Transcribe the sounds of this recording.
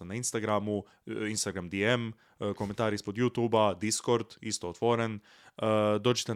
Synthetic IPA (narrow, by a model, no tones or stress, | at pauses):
nainst̪aɡɾamu | inst̪aɡɾamd̪iem | kome̞nt̪aːɾispod̪jut̪uːbad̪isko̞ɾd̪ist̪oot̪ʋoɾen | d̪o̞ːd͡ʒet̪e